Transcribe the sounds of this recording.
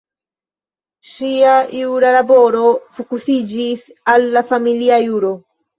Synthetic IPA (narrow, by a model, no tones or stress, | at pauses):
ʃiajuɾalabo̞ɾofokusid͡ʒisalːafamiliajuɾo